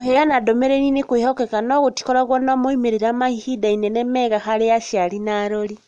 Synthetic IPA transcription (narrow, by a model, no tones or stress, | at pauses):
heɣanadomeɾeninekwihokekanoɣuti̥koɾaɣwonomoimeɾiɾamahihidainenemeɣahaɾejaʃjalinaɾoli